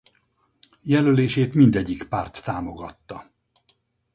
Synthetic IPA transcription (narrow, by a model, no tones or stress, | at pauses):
jɛløleːʃeːt̪mind̪ɛɟːikpaːrt̪ːaːmo̞ɡɒt̪ːɒ